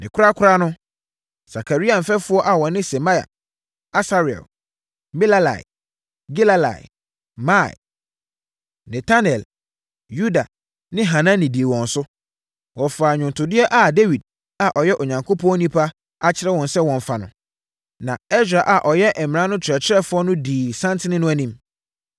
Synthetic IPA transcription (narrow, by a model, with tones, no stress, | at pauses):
nʔɪ̃˨kʰʊ˦ɾa˦kʰʊ˦ɾa˦nʊ̃˦ | sa˨kʰa˨ɾi˦ã˨m̩˨fɛ˦fʊ˦ɔ˦ʔa˨wɔ̃˨nɪ̃˦sɛ˨ma˦ja̰˨ | a˦sa˦ɾɪ˨ɛ̰˨l | mɛ˦la˦la̰˨ḭ˨ | ɡi˦la˦la̰˨ɪ̰˨ | ma˦˨ɪ̰˨ | nɛ˨tʰa˦nɛ˨l | ju˦da˨ | nɪ̃˦ɦã˨nã˦nĩ˨di˨e˨wɔ̃˨n˨sʊ˦ | wɔ˨faː˨ɲᶣʊ̃˨n˨tʰʊ˨dɪ˦ɛ˦ʔa˨de˦wi˨d̚ | a˨ʔɔ˨jɛ˦ʔo˨ɲã˨ŋkʰo˦pʰɔ̃˦ɔ˦nĩ˦pʰa˦ | a˨t͡ɕʰɪ˦ɾɛ˦wɔ̃˨nsɛ˦wɔ̃˨n˨fa˨nʊ̰̃˨ | nã˨ɛ˦sᶣa˨ʔa˨ʔɔ˨jɛ˦ʔɛ˨m̃˨nã˦nʊ̃˦t͡ɕʰɪ˨ɾɛ˨t͡ɕʰɪ˦ɾɛ˦fʊ˦ɔ˦nʊ̃˦diː˨sã˦ntʰɪ̃˦nɪ̃˦nʊ̃˦æ˦nĩ˦m